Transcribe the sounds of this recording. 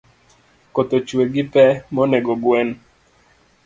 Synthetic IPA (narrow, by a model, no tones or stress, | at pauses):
kot̪ot͡ʃweɡɪpɛmɔneɡɔɡwɛn